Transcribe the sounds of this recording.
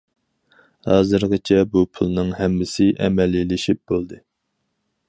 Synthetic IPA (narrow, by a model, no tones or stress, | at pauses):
hɑːzɨɾʁɨt͡ʃʰɛbupʰulˠnɨŋɦɛmːɪsɪʔɛ̰mɛlːilɪʃip̚b̥olˠd̪ɨ